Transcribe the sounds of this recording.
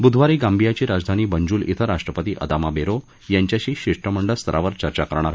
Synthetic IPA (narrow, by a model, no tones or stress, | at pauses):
bud̪ʱʋaɾiːɡãmbʱijat͡ɕiːɾad͡zd̪ʱaniːbəɲd͡ʑuːlḭt̪ʰəɾaʂʈɾəpət̪iːʔə̰d̪amabeɾo | jaɲt͡ɕjaɕiːɕiʂʈəməɳɖəlst̪ʰəɾʔa̰ʋəɾt͡ɕəɾt͡ɕakəɾɳ̃aɾ